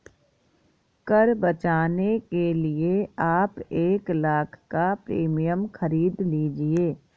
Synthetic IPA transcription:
kəɾbɐt͡ʃaːnekelieaːpeːklaːkʰkapɾḭːmijəmxəɾiːd̪liːd͡ʒieː

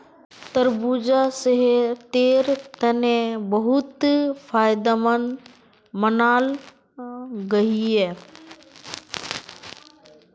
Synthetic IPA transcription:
t̪əɾbuːd͡ʒasəɦet̪eːɾt̪ɐnẽbɐɦʊt̪fʰaːɪd̪amən | mənaːl | ɡɐɦiɛː

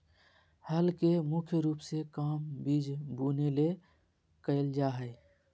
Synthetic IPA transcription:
həlkemʊkʰjəɾuːpsekaːmbiːd͡ʒbuːnele | kəɪld͡ʒaːɦə

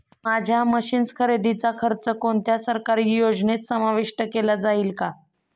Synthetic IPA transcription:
mad͡ʑʱjaməɕiːnskʰəɾed̪it͡sakʰəɾt͡səkont̪jasəɾkaɾiːjod͡znet͡ssəmaʋiʂʈəkelad͡zaiːlka

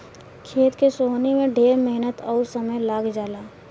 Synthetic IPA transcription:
kʰeːt̪kesoːɦnimẽɖʱeːɾmɛɦnət̪ɔːɾsɐməjlaːɡd͡ʒaːlaː

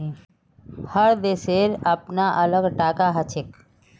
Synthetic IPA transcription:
həɾd̪eːseɾəpnaʔələɡʈaːkaɦət͡ʃʰek

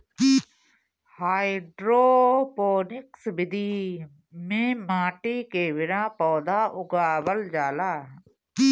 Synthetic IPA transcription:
haːiɖɾoːpoːnɪksbɪd̪iː | mẽːmaːʈiːkeːʋɪɾãːpɔːd̪aːʔʊɡaːʋəld͡ʒaːlaː

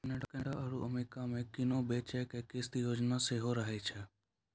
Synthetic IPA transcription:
neɖkɛ̃ɽaʔəɽuʔəmeːkamẽkɪnoːbeːt͡ʃɛkekɪst̪ijoːd͡ʒnaːseɦoɾəɦet͡ʃʰɛ

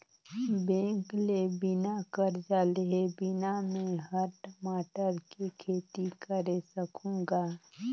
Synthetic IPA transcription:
bẽːŋklebɪnakəɾd͡ʒaːleɦebɪnamẽɦəɾʈmaːʈəɾkekʰeːt̪ikəɾesəkʰũːŋɡaː

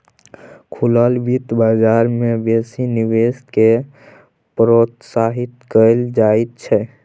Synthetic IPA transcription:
kʰuləlbit̪bad͡ʒaɾmebesiniweske | pɾot̪saɦit̪kəld͡ʒaet̪̚t͡ʃʰɛ

